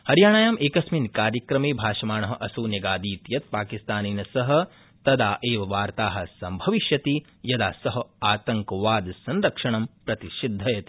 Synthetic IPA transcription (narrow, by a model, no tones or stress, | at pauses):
hɐɾjaːɳaːjaːmʔeːkɐsminkaːɾjɐkɾɐmeːbʱaːʃɐmaːɳɐɦɐ̆ʔɐsuːnjɐɡaːd̪iːt̪jɐt̪̚paːkist̪aːniːnɐsɐɦɐ̆ | t̪ɐd̪aːʔeːʋɐʋaːɾt̪aːɦɐ̆sɐmbʱɐʋiʃjɐt̪i | jɐd̪aːsɐɦɐaːt̪ɐŋkɐʋaːd̪sɐnɾɐkʂɐɳɐmpɾɐt̪iʃid̪ʱːɐjɐt̪i̥